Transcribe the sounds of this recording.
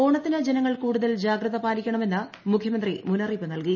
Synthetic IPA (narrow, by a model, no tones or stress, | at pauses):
oːɳɐt̪ːinɐd͡ʑenɐŋːɐɭkuːɽuðɐld͡ʑaːɡrɐðɐpaːɾikʲːɐɳɐme̞nːɨ | mukʰjɐmɐnd̪rimunɐriːpːɨnɐlki